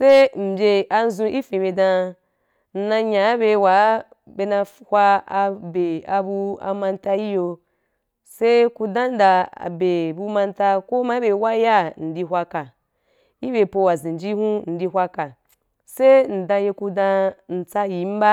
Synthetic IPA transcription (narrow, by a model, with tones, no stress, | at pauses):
se˦m̩˨bʲe˧ʔa˧n˦zũ˧i˦fĩ˨be˧dã˧ | n̩˨nã˧ɲã˨˦be˧wa˨˦ | be˧nã˧hʷwa˧a˧be˨a˧bu˧a̰˧mã˧n˦ta˧ji˦jo˧ | se˦ku˧dã˦n̩˦da˨a̰˨be˨bu˧mã˧n˦ta˧ko˦ma˦be˨˧wa˦ja˦˨n̩˨di˧ɦʷwʷa˧ka˨ | i˦be˧po˧wa˨zĩ˨n˨d͡ʒi˦hũ˦n̩˨di˧ɦʷa˧ka˨ | se˦n̩˨dã˧je˧ku˧dã˧n̩˨t͡sa˧ji˨˦m̩˦ba˦